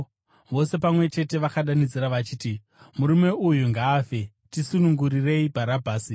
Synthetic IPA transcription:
ʋo̞se̞pamwe̞t͡ʃe̞te̞ʋakaɗanid͡ziɾaʋat͡ʃiːti | muɾume̞ujuŋɡaːfe̞ | tisunuŋɡuɾire̞ibʱaɾabʱaːsi

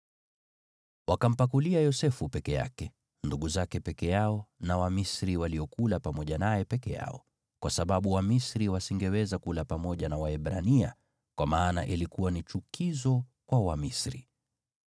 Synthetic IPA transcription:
wakam̩pakuliajɔsɛfupɛkɛja̰kɛ | nduɠuzakɛpɛkɛjaɔnawamisɾiwaliɔkulapamɔʄanajɛpɛkɛja̰ɔ | kwasaɓaɓuwamisɾiwasiŋɡɛwɛzakulapamɔʄanawaɛɓɾa̰nia | kwamaːnaʔilikuwanit͡ʃukizɔkwawamisɾi

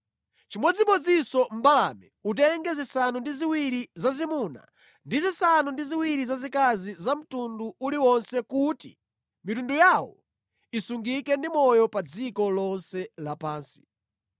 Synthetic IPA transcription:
t͡ʃimɔd͡zimɔd͡zisɔm̩bala̰mɛut̬ɛŋɡɛzisanundiziwiɾizazimuna̰ | ndizisanundiziwiɾizazikazizam̩tunduuliwɔnsɛkutḭ | mitundujawɔ̰ | isuŋɡikɛndimɔjɔpad͡zikɔlɔnsɛlapaːnsi̥

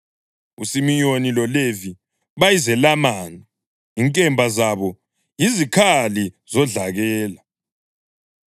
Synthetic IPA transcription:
ṵsimijonilɔlevi | βajizɛlamaːna | iŋkʼɛmbʱazaβɔ | jizikʰaliz̥ɔɮaɣɛːla

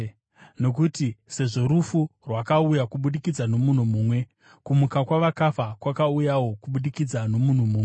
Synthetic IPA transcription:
no̞k̬utise̞ʐo̞ɾufurwakaujakuɓuɗikid͡zano̞mun̤umuːmwe̞ | kumukakwaʋakafakwakaujawo̞kuɓuɗikid͡zano̞mun̤umuːme

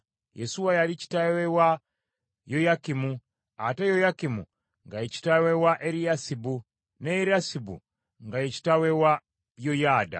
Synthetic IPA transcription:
jesuwajalici̥tawewa | jojakimu | atejojakimṵ | ŋɡajeci̥tawewaʔeɾiasibu | neɾiasibṵ | ŋɡajeci̥tawewa | jojaːda̰

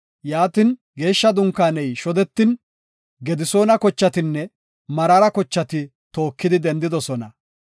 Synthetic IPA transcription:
jaːt̪ɪn | ɡe̞ːʃːɐd̪ʊŋkːaːnɛjʃɔd̪ɛt̪ːɪn | ɡɛd̪ɪso̞ːnɐkɔt͡ʃːɐt̪ɪnːɛ | mɐɾɐɾɐkɔt͡ʃːɐt̪ɪ | t̪o̞ːkːɪd̪ɪd̪ɛnd̪ɪd̪ɔsɔnɐ

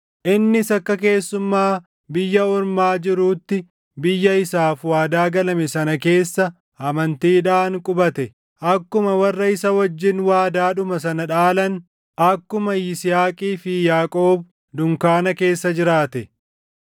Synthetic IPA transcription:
ʔɪnːɪsɐkːɐk̬e̞ːsːʊmːaː | bɪjːɐʊɾmaːd͡ʒɪɾuːt̪ːɪ | bɪjːɐɪsaːfwaːd̪aːɡɐlɐmɛsɐnɐke̞ːsːɐ | hɐmɐnt̪iːᶑaːŋkʼʊbɐt̪ɛ | ʔɐkːʊmɐwɐrːɐɪsɐwɐd͡ʒːɪnwaːd̪aːᶑʊmɐsɐnɐᶑaːlɐn | ɐkːʊmɐjɪsɪjaːkʼiːfɪjaːkʼoːb̚ | d̪ʊŋkaːnɐke̞ːsːɐd͡ʒɪɾaːt̪ɛ

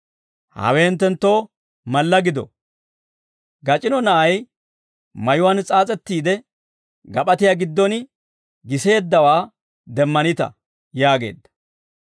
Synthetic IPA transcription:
hɐ̰wɛnt̪ːɛnt̪ːo̞ː | mɐlːɐɡɪd̪ɔ̰ | ɡɐt͡ʃʼɪnɔnɐʔɐj | mɐjʊwɐnt͡sʼaːt͡sʼɛt̪ːiːd̪ɛ | ɡɐpʼɐt̪ɪjaɡɪd̪ːɔn | ɡɪseːd̪ːɐwaː | d̪ɛmːɐnɪt̪ɐ̰ | jaːɡe̞̰ːd̪ːɐ̥

